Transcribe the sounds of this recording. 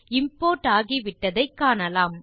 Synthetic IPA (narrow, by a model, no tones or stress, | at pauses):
ɪmpoːʈaːɣiʋɪʈːɐðɐɪkːaːnɐlaːm